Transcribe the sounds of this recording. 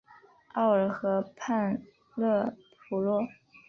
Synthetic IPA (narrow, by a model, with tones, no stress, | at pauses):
ɑ˥˩ʊə˞˧˥xɤ˧˥pʰa˥˧n | lɤ˥˩pʰu˧˥lwɔ˥˩